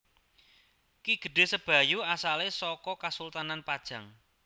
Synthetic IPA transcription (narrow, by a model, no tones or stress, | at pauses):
kiɡ̥ə̤ɖ̥e̤səb̥ä̤juasalesɔkɔkasult̪ananpad̥ʒ̥ä̤ŋ